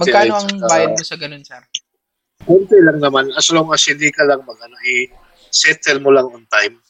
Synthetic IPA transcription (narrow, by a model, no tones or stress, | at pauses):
mɐɡkːjnoɐŋabaːjjɐnmosɐɡɐnonsɛ | kɛnt̪ɛlɐŋnɐmanʔɐsloŋasɪlikɐlɐŋmɐɡɐnoʔɛ | sɛt̪ɛlmolaŋont̪ajm